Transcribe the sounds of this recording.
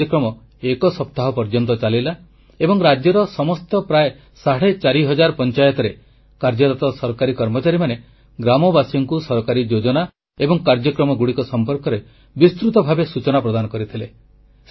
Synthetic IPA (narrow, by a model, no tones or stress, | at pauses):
ɔkɾɔmɔ | ekɔsɔpt̪aɦɔpɔɾd͡ʒɔnt̪ɔt͡ʃalila | ebɔŋɾad͡ʒjɔɾɔsɔmɔst̪ɔpɾaje | saɽet͡ʃaɾiɦɔd͡ʒaɾpɔnt͡ʃajɔt̪ɔɾe | kaɾd͡ʒɔt̪at̪ɔsɔɾkaɾikɔɾmɔt͡ʃaɾimane | ɡɾamɔbasɔŋkusɔɾɔkaɾid͡ʒod͡ʒɔna | ebɔŋkaɾd͡ʒjɔkɾɔmɔɡuɽikɔsɔmpɔɾkɔɾe | bist̪ɾut̪ɔbʱabesut͡ʃɔnapɾɔd̪anɔkɔɾit̪ʰile